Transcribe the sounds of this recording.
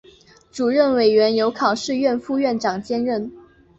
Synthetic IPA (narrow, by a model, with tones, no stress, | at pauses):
ʈ͡ʂu˨˩ɻə˥˩nwe˨˩ɪɥɛ˧˥njo˧˥ʊkʰɑ˨˩ʊʂɻ̩˥˧ɥɛ˥˧nfu˥˧ɥɛ˥˩nʈ͡ʂɑ˨˩ŋt͡ɕjɛ˥nɻə˥˩n